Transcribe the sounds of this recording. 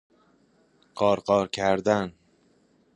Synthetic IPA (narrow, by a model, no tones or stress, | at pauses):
qʰɒːɾqɒːɾkʰæɾd̪æn